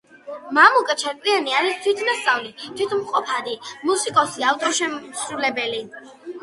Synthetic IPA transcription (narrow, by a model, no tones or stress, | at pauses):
mamukʼat͡ʃʰaɾk̪ʼlianiaɾist̪ʰwit̪ʰnast̪sʼavlit̪ʰit̪ʰmqʼɔpʰad̪imusikʼɔsiaft̪ʼɔɾʃɛmsɾulɛbɛli